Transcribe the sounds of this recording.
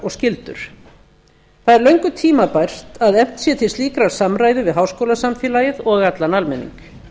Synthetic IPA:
ɔɣscɪlt̪ʏ̰ɾ̥ | θaðɛɾlœɥŋkʏt̪ʰiːmapajr̥t̪aðɛm̥t̪sjɛt̪ʰɪlst̪iːkɾaɾ̥samɾaːjðʏvɪðɦawskowlasamfɪːlajɪðɔɣat̪lanalmɛnːḭŋk

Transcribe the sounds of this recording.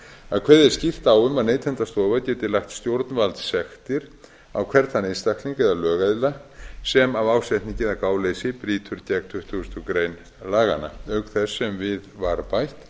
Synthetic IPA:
aðkʰvɛːðɛɾ̥scir̥t̪aːwʏmaðneːjt̪ʰɛnt̪ast̪oːvacɛːt̪ɪlaxt̪st̪jowɾt̪nvalt̪sɛxt̪ɪɾ̥ | awkʰvɛɾt̪θanenst̪ahkliŋkɛðalœːɣaðɪlːasɛmavaːwsɛht̪nɪcɪðakaːwlejsɪpɾiːt̪ʰʏɾc̪ɛkt̪ʰʏht̪ʰust̪ʏkɾeːjn | laːɣa̰nːa̰œɥkθɛsːɛmvɪðvaɾpajht̪

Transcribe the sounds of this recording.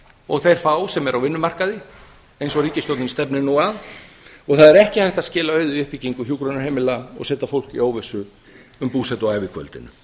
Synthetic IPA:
ɔɣθejɾ̥faːwsɛmɛɾʔawvɪnːʏmar̥kaðɪ | ejnsɔɾiːcɪst̪owt̪nɪnst̪ɛpnɪnuaðɔɣθaðɛɾɛhcɪhajht̪aðscɪːlaœːɥðʏʏhpiciŋkʏçjuːkɾɔnahɛːmɪlaɔ̰ɣsɛːt̪afowl̥kioːwvɛsʏ | ʏmpuːsɛt̪ɔaːjvɪkʰvœ̰lt̪ɪ̰nʏ̰

